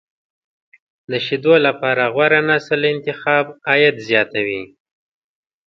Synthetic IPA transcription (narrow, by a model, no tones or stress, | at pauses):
d̪əʃid̪olapɑɾaɣwaɾanɑsalɪnt̪ɪxɑbɑjad̪zjɑt̪awi